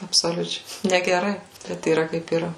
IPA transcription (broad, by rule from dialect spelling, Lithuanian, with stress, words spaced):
ɐpsoːˈlʲʊt͡ʃʲɛɪ nʲɛɡʲɛˈrɐɪ bʲɛt iːˈrɐ kɐɪp iːˈrɐ